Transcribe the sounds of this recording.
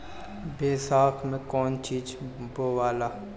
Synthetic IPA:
beːsaːkʰmẽkɔːnt͡ʃiːd͡ʒboːʋaːlaː

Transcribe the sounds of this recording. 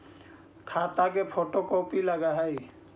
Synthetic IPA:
kʰaːt̪akepʰoːʈokoːpiləɡaɦɛi

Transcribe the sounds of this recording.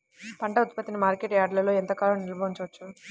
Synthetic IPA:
pɐɳʈɐut̪pɐt̪ːinimaːɾkeːʈaːɖlɐloːɛnt̪ɐkaːlɐnilɐbɐːuɲt͡ʃɐʋɐt͡ʃːu

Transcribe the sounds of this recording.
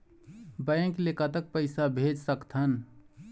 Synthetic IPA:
bəẽklekat̪ək̚pəɪsabʱed͡ʒsəkt̪ʰɦən

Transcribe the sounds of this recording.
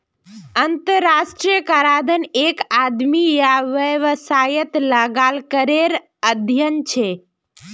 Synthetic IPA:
ənt̪əɾːasʈɾijəkaɾad̪ʱənekad̪mijaʋəʋəsajət̪ləɡalkəɾeɾ | əd̪ʱjənt͡ʃʰe

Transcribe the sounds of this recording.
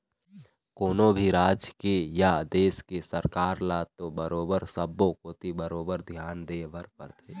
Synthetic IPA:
koːnõbʱiɾaːd͡ʒkejad̪eːskesəɾkaːɾlaːt̪obəɾoːbəɾsəbːokoːt̪ibəɾoːbəɾd̪ʱjaːnd̪eːʋəɾpə̰ɾt̪ʰeː

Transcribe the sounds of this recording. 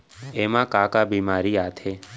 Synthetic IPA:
emãkakabimaɾiat̪ʰe

